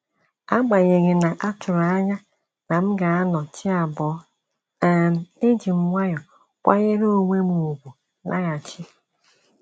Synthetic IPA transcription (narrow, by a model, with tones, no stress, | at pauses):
a˦ɡ͡ba˨ɲe˨ŋe˨na˨ʔa˦tʊ˨ɾa˨˦a˦ɲa˦ | na˨m̩˦ɡa˨a˦nɔ˨t͡ʃɪ˦a˨bɔ˨˦ | a˨n̩˨e˦d͡ʒi˨m̩˨ŋʷa˦ɲɔ˨ | kʷa̰˦ɲe˦ɾo˦˨ŋʷe˦mu˨u˨ɡʷu˨ | nʔa̰˦ɣa˨t͡ʃɪ˦